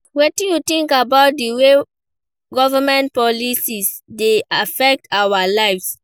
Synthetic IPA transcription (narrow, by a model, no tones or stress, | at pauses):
wetĩjutĩŋkabaʊt̚diwe | ɡɔvamɛ̃nt̚pɔlisis | deafɛk̚tawalaɪfs